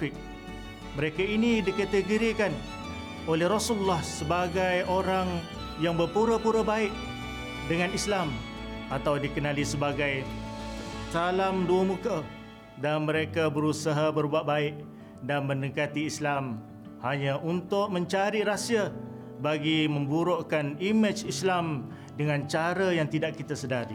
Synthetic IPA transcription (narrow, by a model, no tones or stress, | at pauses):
ɪk̚ | məɾekainidikət̪əɡəɾikan | olɛhrosuulːahsəbaɡajoɾaŋ | jaŋbərpuɾapuɾəbaɪʔ | dəŋanislam | at̪awdikənalisəbaɡaj | salamduamũka | danmə̃ɾekabəɾusaɦabərbuaʔ̚baɪʔ | danmə̃nəkat̪iːslam | haɲaʔunt̪ʊʔmə̃ɲt͡ʃaɾiɾasia | baɡiməmbuɾoʔkanimɪt͡ʃislam | dəŋãnt͡ʃaɾajaŋt̪idaʔkit̪asədaɾi